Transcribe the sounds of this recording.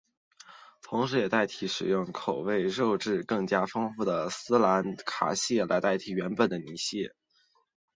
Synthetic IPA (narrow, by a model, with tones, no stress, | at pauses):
t̪ʰʊ˧˥ŋʂ̬ɻ̩˧˥jɛ˨˩t̪a˥˩ɪt̪ʰi˧˥ʂɻ̩˨˩jʊ˥˩ŋkʰo˨˩ʊwe˥˧ɪɻo˥˧ʊʈ͡ʂɻ̩˥˧kɤ˥˩ŋt͡ɕja˥fɤ˥ŋfu˥˩d̪ə˩sɹ̩˥la˧˥nkʰa̰˨˩ɕjɛ˥˩la̰˧˥ɪt̪a˥˩ɪt̪ʰi˧˩ɥɛ˧˥npə˨˩nd̪ə˦ni˧˥ɕjɛ˥˩